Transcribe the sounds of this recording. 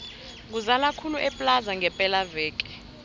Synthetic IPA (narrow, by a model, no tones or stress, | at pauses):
k̬uzalakʰuluʔɛpʼlazaŋʱɛpʼɛlavɛːk̬ʼɛ̥